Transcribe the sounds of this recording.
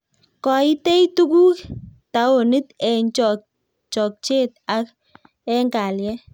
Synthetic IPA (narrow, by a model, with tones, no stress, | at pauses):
kɔ˨i˦te˦jtu˦ku˦ta˨˦o˨nɪ˦t̪ɛ˨ɲt͡ʃ | t͡ʃɔ˨k̚t͡ʃe˦˨t̪̚a˦k̚ | ɛ˦ŋɡa˨ljɛ˦